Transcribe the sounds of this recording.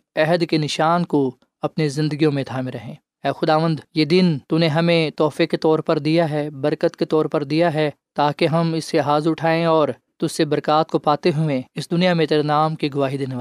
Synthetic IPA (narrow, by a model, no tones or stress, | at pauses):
ɛɦəd̪kenɪʃaːnko | ɐpnezɪ̃nd̪əɡijõmẽt̪ʰaːmẽɾɐɦẽː | ɛːxʊd̪aːʋə̃nd̪jeːd̪ɪnt̪uneɦɐmẽt̪ɔːfeket̪ɔːɾpɐɾd̪ijaɦɛːbɐɾkət̪ket̪ɔːɾpɐɾd̪ijaɦɛː | t̪aːkeɦɐmɪsːeɦaːzʊʈʰaːẽɔːɾ | t̪ʊssebɐɾkaːt̪̚kopaːt̪eɦuẽɪsd̪ʊnijamẽt̪eɾnaːmkiɡʊʋaːɦid̪eːneʋa